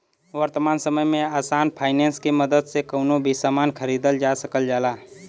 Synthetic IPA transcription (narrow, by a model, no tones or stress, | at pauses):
ʋəɾt̪əmansəməjmẽaːsanpʰaɪnenskeməd̪əd̪sekəʊnobʱisəmankʰəɾid̪əld͡ʒasəkəld͡ʒaːla